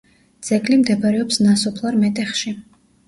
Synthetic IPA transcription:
d̪z̥ɛɡlimd̪ɛbaɾɛɔpsnasɔpʰlˠaɾmɛt̪ʼɛχʃi

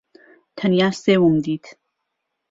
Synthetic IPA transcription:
t̪ʰɐnjasewumd̪iːt̪ʰ

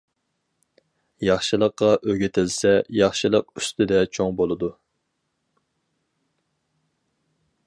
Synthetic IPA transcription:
jɑχʃɨlˠəqːɑʔøɡʲet̪ʰɪlsɛjɑχʃɨlˠəq̚y̥st̪ɪd̪ɛt͡ʃʰoŋbolˠɨd̪u

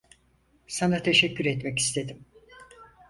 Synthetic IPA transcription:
sanat̪ʰeʃɛcːyɾɛt̪mɛci̥st̪ʰe̞d̪im

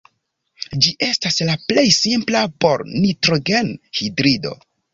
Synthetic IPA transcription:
d͡ʒiʔe̞staslaple̞jsimplapo̞ɾnitɾoɡe̞nhidɾido̞̰

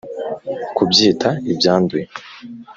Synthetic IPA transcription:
kubjiːtʰaibjaːndue

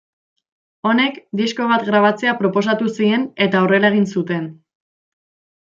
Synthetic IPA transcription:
o̞ne̞kd̪isko̞β̞at̪ɣɾaβat͡se̞apɾo̞po̞s̬at̪usie̞ne̞t̪aore̞lae̞ɣ̞insut̪e̞n

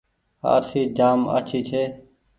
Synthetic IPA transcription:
ha̰ːɾsiːd͡ʒaːmə̰t͡ʃʰiːt͡ʃʰeː

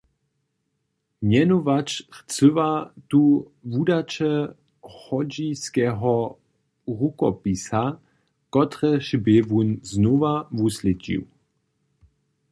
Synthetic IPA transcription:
mjɛnuvat͡ʃxt͡sɵvat̪u | vudat͡ʃɛ | xɔd͡ʑiskɛːɦɔ | ʁukɔpisa | kɔt̪ʁɛʃbevunznovavuslʲɛt͡ɕḭw

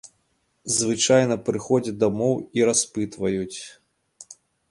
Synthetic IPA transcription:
zvɨt͡ʂajnɐpɾɨxɔd͡zʲɐd̪amɔwiɾaspɨt̪vɐjut͡sʲ

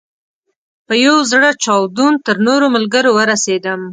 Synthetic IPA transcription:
pəjawzɽət͡ʃɑwd̪unt̪əɾnoɾoməlɡəɾowəɾased̪əm

